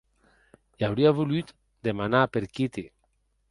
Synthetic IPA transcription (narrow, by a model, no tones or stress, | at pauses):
jawɾiaβulyt̪ | d̪emanapeɾkit̪i